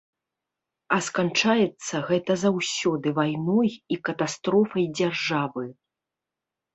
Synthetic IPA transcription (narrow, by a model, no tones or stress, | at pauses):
ɐskant͡ʂajɛt̪sːɐɣɛt̪ɐzawsʲɔd̪ɨvajnɔjikɐt̪ast̪ɾɔfɐjd͡zʲarʐavɨ